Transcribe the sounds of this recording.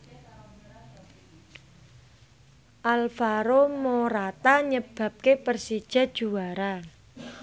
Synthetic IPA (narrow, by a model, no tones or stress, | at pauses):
ʔalfaɾomoɾat̪aɲəb̥a̤p̚kepərsid̥ʒ̥a̤d̥ʒ̥uwaɾa